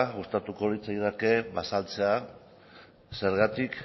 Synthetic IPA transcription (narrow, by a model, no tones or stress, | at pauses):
ɣust̪at̪uko̞lit͡sajðake̞βasalt͡se̞a | se̞ɾɣat̪ik